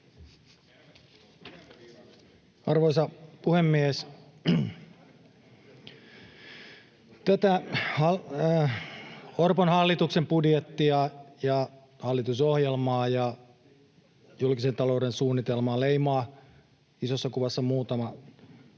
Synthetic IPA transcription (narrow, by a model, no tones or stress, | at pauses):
ɑrʋoisɑpuhemːies | t̪æt̪æhɑ | orponhɑlːit̪uksempudjet̪ːiɑjɑ | hɑlːit̪usohjelmɑːjɑ | julkisent̪ɑloudensuːnːit̪elmɑːleimɑː | isosːɑkuʋɑsːɑmuːt̪ɑmɑ